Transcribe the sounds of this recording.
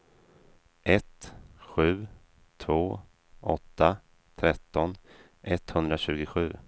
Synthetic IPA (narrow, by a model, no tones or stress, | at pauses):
ʔɛt̪ɧʉ̟ː | t̪ʰvoː | ɔ̰t̪ːa | t̪ʰɾɛt̪ːɔn | ʔɛt̪hɵnd̪ɾaɕʉ̟ːɡʊɧʉ̟ː